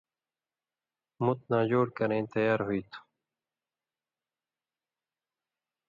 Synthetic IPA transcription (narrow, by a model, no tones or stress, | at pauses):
mʊt̪̚nãːd͡ʑoːɽ̚kɐɾẽːt̪ɐjaːɾɦuit̪ʰu̥